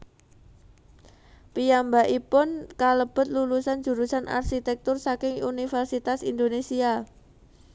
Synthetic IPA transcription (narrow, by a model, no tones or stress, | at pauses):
pijambaʔipʊnkaləb̥ʊ̤t̪̚lulusand͡ʒ̥ṳɾusana̰rʃit̪ɛk̚t̪ʊrsakɪŋṵnifɛrsit̪asind̪onesia